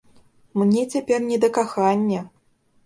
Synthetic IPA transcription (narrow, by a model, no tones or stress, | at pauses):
mnʲɛt͡sʲapʲɛrnʲɛd̪ɐkaxanʲːɐ